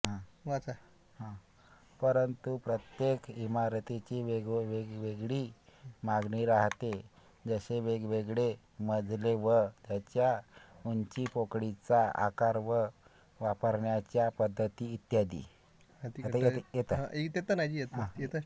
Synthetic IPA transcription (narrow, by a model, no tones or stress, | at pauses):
ɦãʋt͡sa | hã | pəɾənt̪upɾət̪jekimaɾt̪it͡ɕiʋeʋeɡʋeɡɭiːmaɡɳiːɾaɦt̪e | d͡zəɕeʋeɡʋeɡɭe | məd͡zʱleʋəd͡ʑjat͡ɕjauɲt͡ɕiːpokɽit͡saa̰kaɾʋə | ʋapəɾɳjat͡ɕjapəd̪ʱːət̪iːt̪jad̪ḭː | at̪iajejet̪aekt̪jet̪ənad͡ʑijet̪ɦãjet̪ə